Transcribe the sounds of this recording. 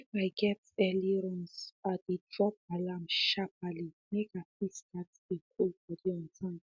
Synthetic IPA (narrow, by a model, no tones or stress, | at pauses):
ɛfaɪɡɛt | ɛliɹɔ̃nsadidɹɔp̚alãmʃap̚alimekapiskat | ĩkʰolbɔdiɔ̃ntʰḁ̃